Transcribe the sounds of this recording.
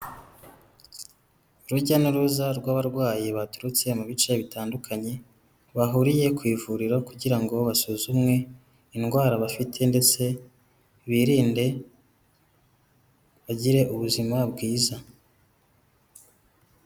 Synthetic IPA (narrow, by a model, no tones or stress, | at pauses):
ɾuɟanuɾuzaɾɡwaːβaɾɡwaːjiβatuɾut͡se̞muβit͡ʃe̞βitaːndukʰaɲe̞ | βaɦuɾije̞kwiːvuɾiɾo̞kuɟiɾaŋɡo̞βasuzumŋe̞ | inɡwaːɾaβafitʰe̞nde̞t͡se̞ | βiɾiːnde̞ | βaɟiɾe̞ʔuβuzimabɡiːza